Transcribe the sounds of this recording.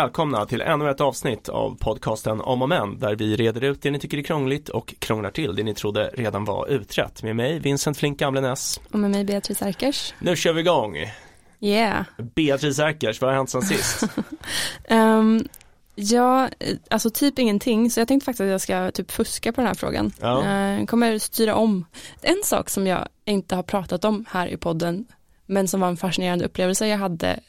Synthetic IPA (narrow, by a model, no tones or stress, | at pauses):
ɛːlkʰɔmnat̪ʰɪlʔɛ̰nːɵɛt̪ːɑːvsnɪt̪ʰa̰vpʰɔd̪̚kʰɑːst̪ənɔ̰mɔmɛnd̪æɾvɪɾeːd̪əɾʉ̟ːt̪̚d̪ɛnɪt̪ʰʏkːəɾæɾkʰɾɔŋːlɪt̪ʰɔkʰːɾɔŋlaʈʰɪld̪ɛnɪt̪ʰɾʊd̪ːə̰ɾeːd̪anva̰ɾʔʉ̟ːt̪ʰɾɛ̰t̪ːmeːmɛjvɪnsənt̪flɪŋk̚ɡamlənɛsʔɔmemɛjbeːat̪ʰɾɪːsæɾkəʂnʉ̟ːɕøːɾvɪːɡɔŋː | jɛbeːat̪ʰɾiːs̬æɾkəʂvahaɾhɛnt̪sɛnsɪst̪ | ɛ | jɑːʔalsɔt̪ʰyːpɪŋːənt̪ʰɪŋːsɔjɑɡt̪ʰɛŋkt̪əfak̚t̪ɪsat̪jɑːɡskat̪ʰyːpfɵskapʰɔd̪ɛnhæ̰ːɾfɾo̰ːɡa̰nɑːkʰɔmːəɾst̪ʰyːɾaʔɔmɛnːsɑ̰ːksɔmjɑ̰ːɡɪnt̪əhaɾpʰɾɑːt̪at̪ɔmhæːɾʔɪ̰pʰɔd̪ːən | mɛnsɔmvaɾɛnfaʂɪneːɾand̪əɵpːleːvəlsəjɑːɡɦad̪ːə̰